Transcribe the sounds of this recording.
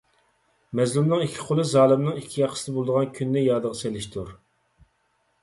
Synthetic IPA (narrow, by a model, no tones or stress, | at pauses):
mɛzlumnɨŋikʲʰːi̥qʰolˠɨzɑːlˠɨmnɨŋikʲʰːijɑqʰə̥sɪd̪ɨbolˠɨd̪əʁɑnkʲʰynːɪjɑːd̪əʁɑselɪʃt̪ʰuɾ